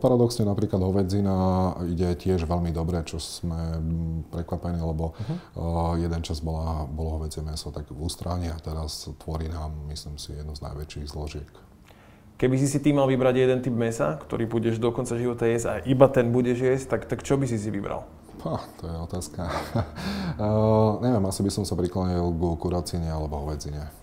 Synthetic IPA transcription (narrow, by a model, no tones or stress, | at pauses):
paɾad̪ɔksɲɛnapɾiːklad̪ɦɔʋɛd͡zinaiɟɛcɪɛʒʋɛʎmid̪ɔbɾɛt͡ʃɔsmɛpɾɛkʋapɛniːlɛbɔ | jɛd̪ɛnt͡ʃazbɔlabɔlɔɦɔʋɛd͡zɪɛmɛsat̪aɡust̪ɾaɲɛat̪ɛɾast̪ʋɔɾiːnaːmːisliːmsḭjɛd̪̚nuzna̰jʋɛt͡ʃiɣzlɔʒɪɛk | kɛbis̬isit̪iːmalʋibɾaɟjɛd̪ɛnt̪ibmɛsa̰kt̪ɔ̰ɾiːbuɟɛʒd̪ɔkɔnt͡saʒiʋɔt̪ajɛzaʔibat̪ɛnbuɟɛʒjɛst̪akt̪akt͡ʃɔbisisiʋibɾa̰l | pat̪ɔjɛɔt̪aːska | ɲɛʋɪɛmasibisɔmsapɾiklaɲilɡkuɾat͡siɲɛalɛbɔɦɔʋɛd͡ziɲɛ